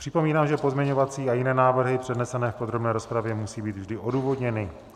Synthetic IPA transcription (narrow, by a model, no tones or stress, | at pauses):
pr̝̥ɪpomiːnaːmʒɛpo̞zmɲɛɲovat͡siːajɪnɛːnaːvr̩ɦɪpr̝̥ɛdnɛsɛnɛːfpod̪ɾobnɛːɾo̞spɾavjɛmusiːbiːd̪vʒdɪʔo̞duːvo̞dɲɛnɪ